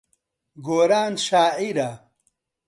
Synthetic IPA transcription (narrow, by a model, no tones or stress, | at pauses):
ɡoːɾaːnɕaːiɾa